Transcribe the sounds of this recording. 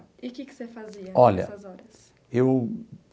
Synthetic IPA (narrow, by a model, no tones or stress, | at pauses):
kɪkɪ̥sefaziɐɔʎɐ̰ɐzɔɾɐs | ew